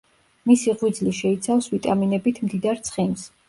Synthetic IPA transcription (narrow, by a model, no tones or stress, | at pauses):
misiʁwid̪zliʃɛit̪sʰafsvit̪ʼaminɛbit̪ʰmd̪id̪aɾt̪sʰχins